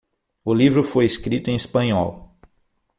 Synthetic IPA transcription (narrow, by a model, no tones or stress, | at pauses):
ʊlivɾʊfojeskɾit̪ʊẽj̃espɐ̃ɲɔ̰w